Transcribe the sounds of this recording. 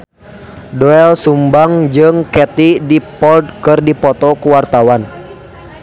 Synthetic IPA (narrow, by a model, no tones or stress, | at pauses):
dɔɛlsumbaŋd͡ʒɨŋkɛt̪idipɔld̪̚kɨrdipɔt̪ɔkuwart̪awan